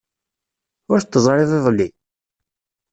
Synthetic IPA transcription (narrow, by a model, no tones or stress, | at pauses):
ʊɾt̪ːəzˤɾˤeðˤɪðˤlːi